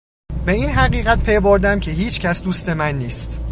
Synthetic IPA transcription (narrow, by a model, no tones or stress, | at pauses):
be̞iːnɦæɢiːɣæt̪̚pʰe̞boɾd̪æmcʰe̞ɦiːt͡ʃʰcʰæsd̪uːst̪e̞mænːiːst̪